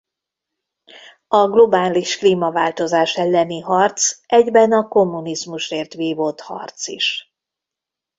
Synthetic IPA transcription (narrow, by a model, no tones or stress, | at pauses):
ɒɡlo̞baːliʃkliːmɒvaːlt̪o̞zaːʃɛlːɛniɦɒrt̪sʔɛɟbɛnɒko̞mːunizmuʃreːrt̪ʋiːvot̪hɒ̰rt̪sḭʃ